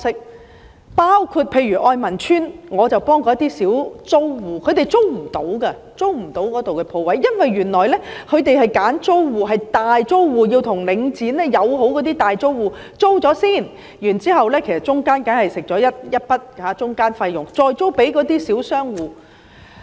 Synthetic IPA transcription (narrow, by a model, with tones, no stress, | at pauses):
sɪ˨˥k̚ | paː˥wkʰuː˧t̚pʰe˧jɥyː˨˩ʔɔː˧jmɐ˨˩nt͡ʃʰyː˥nŋɔː˨˧t͡sɐ˨˩wpɔː˥ŋkɔː˧jɐ˥t̪iː˥siː˨˥wt͡so˥wwuː˨˩kʰɵ˨˧ɥt̪e˨˩jt͡so˥wm̩˨˩t̪o˨˥wkɐ˧ | t͡so˥wm̩˨˩t̪o˨˥wkɔː˨˥t̪o˨wkɛː˧pʰo˨˧wɐ˨˥jːɐ˥nwɐ˨jːyː˨˩nlɔː˨˩jlɛː˥kʰɵ˨˧ɥt̪e˨jɦɐ˨jkaː˨˥nt͡so˥wwuː˨˩ɦɐ˨jt̪aː˨jt͡so˥wwuː˨jiː˧wt̪ʰʊ˨˩ŋlɪ˨˧ŋt͡siː˨˥nlɛː˥jɐ˨˧wɦo˨˥wkɔ˨˥t̪iː˥t̪aː˨jt͡so˥wwuː˨˩ | t͡so˥wt͡sɔː˨˥siː˥˩n | jyː˨˩nt͡siː˥hɐ˨wlɛː˥kʰe˨˩jsɐ˨t̚t͡sʊ˥ŋkaː˥nka˨˥nhɐ˨˩jsɪ˨k̚t͡sɔː˨˥jɐ˥t̚jɐ˥t̚pɐ˥t̚haː˨˧˥t͡sʊ˥ŋkaː˥nfɐ˧jːʊ˨ŋt͡sɔː˧jt͡so˥wpe˨˥jkɔː˨˥t̪iː˥siː˨˥wsœː˥ŋwuː˨˩